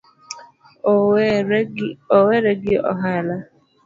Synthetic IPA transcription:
oweɾeɡɪɔ̰ɦala

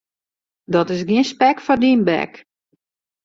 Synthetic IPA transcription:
dɔtɪs̬ɡiənspɛkfɔrdinbɛ̰k

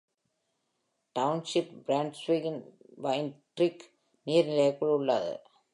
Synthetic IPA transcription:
ʈɐʊnʂɪpbɾaːɳɖsʋiɡɪn | bɐɪɪnʈɾɪk | niːɾnɪlɐjɐkːɯɭʊɭːa̰ːðɯ̰

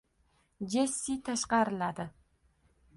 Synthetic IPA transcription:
d͡ʒesːit̪ʰaʃqɑɾɪlad̪ɪ

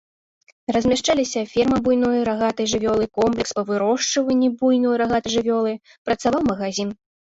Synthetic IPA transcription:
rɐzʲmʲaʂt͡ʂalʲisʲɐfʲɛrmɐbujnɔjɾaɣat̪ɐjʐɨvʲɔlˠɨkɔmplʲɛkspɐvɨɾɔʂt͡ʂɐvɐnʲːibujnɔjɾaɣat̪ɨjʐɨvʲɔlˠɨj | pɾɐt̪savawmɐɣazʲin

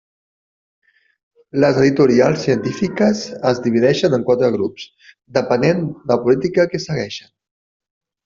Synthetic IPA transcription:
ləzəðit̪uɾialˠsiənt̪ifikəzəzdiβ̞iðɛʃənəŋkwat̪ɾəɣ̞ɾups | d̪əpənend̪əpulit̪ikəkesəɣɛʃən

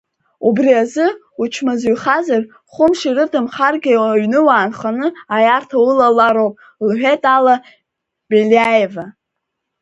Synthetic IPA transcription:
ubriazɨ | ut͡ʃʷʰmazɥχazar | χʷʊmʂirɨdʰɨmχarɡʲaɥnɨwaːnχanɨajartʰawɨlalaɾowpʼ | lħᶣetʼala | beliajeva

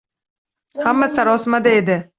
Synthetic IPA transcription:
hamːasaɾɒsɪmad̪aed̪ɪ

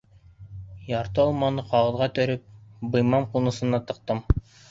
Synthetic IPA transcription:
jɑɾt̪ɤɑlˠmɑnɤqɑʁɤ̆ðʁɑt̪ɵ̆ɾɘp̚bɤ̆jmɑmqunɤ̆sɤ̆nɑt̪ɤ̆q̚t̪ɤm

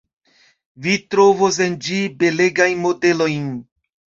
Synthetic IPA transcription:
vitɾovos̬end͡ʒibe̞leɡajnmode̞lojn

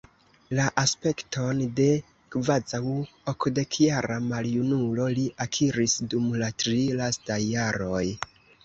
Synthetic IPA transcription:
laʔaspe̞kto̞nde̞ | kvad͡zawokde̞kʰjaɾamaljunulo̞liʔakʰiɾisdumlatɾilastajːaɾo̞j

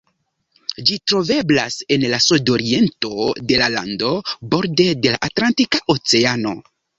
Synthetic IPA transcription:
d͡ʒitɾo̞ve̞blase̞nlasudo̞ɾie̞nto̞de̞lala̰ndo̞bo̞ɾde̞de̞laʔatlantikaʔot͡se̞ano̞

